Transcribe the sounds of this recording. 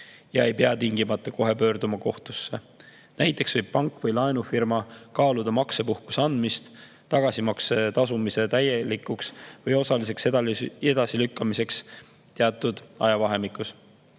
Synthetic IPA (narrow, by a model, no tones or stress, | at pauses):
jɑe̞jpeɑt̪iŋɡimɑt̪ːˑɑko̞ɦe̞pø̞ːrd̪umɑko̞ht̪usːe̞ | næjt̪ːˑe̞ksvɤjb̥̚pɑŋkːˑvɤjlɑenufirmɑkɑːlud̪̥ɑmɑkse̞puhku̥sɑnd̪̥mist̪ | t̪ːɑɡ̥ɑsimɑkset̪ɑsumise̞t̪æjelikːˑuksvɤjo̞sɑlis̬e̞ksed̪ɑe̞d̪̥ɑsilykːɑmise̞ks | t̪eɑt̪ːˑud̪̥ɑ̰jɑvɑɦe̞mikːˑus